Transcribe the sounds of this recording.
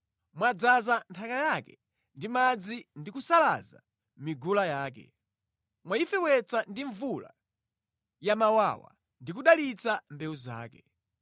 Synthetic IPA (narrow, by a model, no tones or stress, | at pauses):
mwad͡zazantʰakajakɛ̰ | ndimad͡zindikusala̰za̰ | miɡulajaːk̬ɛ̰ | mwaifɛwɛt͡sandiɱvula̰ | jamawa̰wa̰ | ndik̬uɗalit͡sambɛuza̰ːkɛ